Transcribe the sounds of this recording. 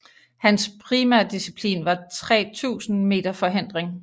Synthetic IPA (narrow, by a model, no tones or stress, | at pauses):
hænspʰʁiːmæɐd̥isipʰlḭːnʋɑ̈t͡sʰʁɛ̰ːt͡sʰṵːsn̩me̝̰ːd̥ɐfɒ̽ɦen̰d̥ʁeŋ